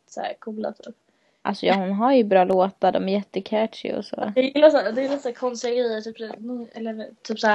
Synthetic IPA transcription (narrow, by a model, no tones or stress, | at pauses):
t̪ːsæ̰ːɾkʰuːla̰t̪ʰyːp | ʔa̰lsɔjɑːhʊnɦaɾjɵbɾɑːloːt̪ad̪ɔ̰mæɾjɛt̪ːəkʰæːʈʂɪ̰ɔ̰sɔ̰ːd̥̪ɛjɪlːasaːd̪ɛjɪlːasæːkʰɔnst̪ɛɡiːðt̪ʰyːpsnɛlːət̪ʰyːpsa